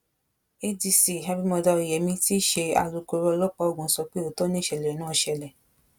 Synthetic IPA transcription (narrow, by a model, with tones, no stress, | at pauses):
e˦di˧si˦˨ɦa˧˦bi˦mɔ̃˧dɔ˧i˨jɛ˨˦mĩ˧ti˦ʃe˧a̰˧ɾu˨˧ko˧ɾɔ˧lɔ˦k͡pa˦o˦˨ɡũ˨˦sɔ˧k͡pe˦o˨tɔ˦nĩ˦˨ʃɛ˨lɛ˨nã˦˧˨ʃɛ˧lɛ˨